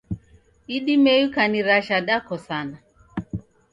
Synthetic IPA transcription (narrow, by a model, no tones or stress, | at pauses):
iɗimɛjukaniɾaʃaɗakɔsana